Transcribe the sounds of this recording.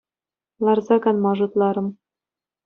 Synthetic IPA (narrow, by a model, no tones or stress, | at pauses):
lˠɑrzɑɡɑnmɑʐɤ̆t̪lˠɑɾɤ̆m